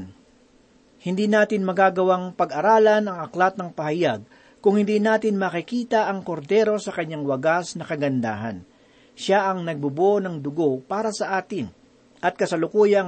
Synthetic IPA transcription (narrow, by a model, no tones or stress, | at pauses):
hɪnd̪iːnaːt̪ɪnmɐɡaːɡɐwaŋpɐɡʔɐɾaːlɐnɐŋɐklat̪̚nɐŋpɐhɐjaɡ̚ | kʊŋhɪnd̪iːnaːt̪ɪnmɐkɪkiːt̪ɐʔɐŋko̞ɾd̪ɛɾo̞sɐkɐɲːaŋwɐɡasnɐkɐɡɐnd̪a̰ːɦɐ̰n | ʃaʔɐŋnɐɡ̚bʊbonɐŋd̪ʊɡo̞paːɾɐsɐʔaːt̪ɪn | ʔɐt̪̚kɐsɐlʊkuːjɐŋ